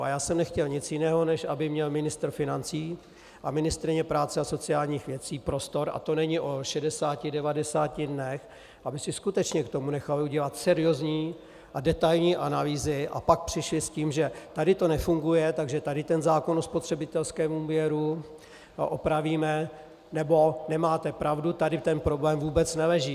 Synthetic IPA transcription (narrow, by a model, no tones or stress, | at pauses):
a̰jaːsɛmnɛxcɛlɲɪt͡sjɪnɛːɦo̞nɛʃabɪmɲɛlmɪnɪst̪ɾ̩fɪnant͡siː | ʔamɪnɪst̪ɾɪɲɛpɾaːt͡sɛaso̞t͡sɪaːlɲiːxvjɛt͡siːpɾo̞st̪o̞ɾʔa̰t̪o̞nɛɲɪʔo̞ʃɛdɛsaːcɪdɛvadɛsaːcɪdnɛx | ʔabɪsɪskut̪ɛt͡ʃɲɛkt̪o̞munɛxaluɟɛlat̪sɛɾɪo̞zɲiː | ʔadɛt̪ajlɲiːʔanaliːzɪʔa̰pak̚pr̝̥ɪʃlɪsciːmʒɛt̪adɪt̪o̞nɛfuŋɡujɛt̪aɡʒɛt̪adɪt̪ɛnzaːko̞nospot̪r̝̥ɛbɪt̪ɛlskɛːmuːvjɛɾu | ʔo̞̰pɾaviːmɛ | nɛbo̞nɛmaːt̪ɛpɾavdut̪adɪt̪ɛnpɾoblɛːmvuːbɛt͡snɛlɛʒiː